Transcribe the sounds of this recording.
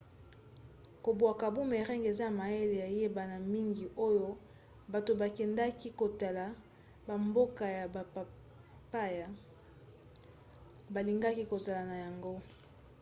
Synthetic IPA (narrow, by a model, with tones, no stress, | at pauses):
ko˨bwa˨ka˨bu˦me˨ʁɛ˦ŋɡe˨za˦a˨ma˨e˦le˨ja˨je˦ba˨na˨mi˦ŋɡi˨ʔo˦jo˦ | ba˨to˨ba˨kɛ˨nda˦ki˦ko˨ta˨la˨ | ba˨mbo˦ka˨ja˨ba˨pa˨ | pa˦ja˨ | ba˨li˨ŋɡa˦ki˦ko˨za˨la˨na˨ja˨ŋɡo˦